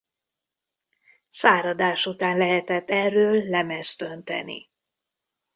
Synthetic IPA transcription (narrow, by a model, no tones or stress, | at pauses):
saːɾɒd̪aːʃut̪aːnlɛɦɛt̪ɛt̪ːɛrːøːlːɛmɛst̪ø̞nt̪ɛ̰nḭ